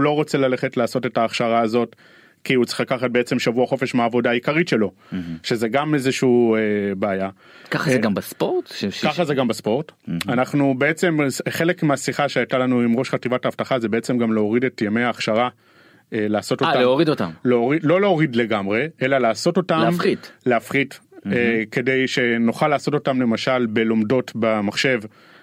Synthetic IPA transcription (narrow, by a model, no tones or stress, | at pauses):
lo̞ʁot͡selale̞χetlaːso̞tetaːχʃaʁaːzo̞t | kiut͡se̥χlakaχat̚be̞et͡se̞mʃavuaχo̞fe̞ʃmeaːvo̞daikaʁitʃe̞lo̞ | ʃe̞ze̞ɡamezeʃuuːebeːja | kaχazeɡambaspoʁt̪kaχazeɡambaspo̞ʁtanaχnube̞et͡se̞mχe̞le̞kmeasiχaʃeajtalanuimʁo̞ʃχativataːftaχazebee̞t͡se̞mɡamleoʁidetjame̞jaːχʃaʁa | elaːso̞toaaleoʁid̪ota̰mleoʁidlo̞leo̞ʁidle̞ɡamʁe̞e̞lalaːso̞to̞talmχitleafχiteke̞de̞jʃe̞noχalːaːsoto̞tamle̞maʃalbe̞lo̞mdo̞tbamaχʃe̞v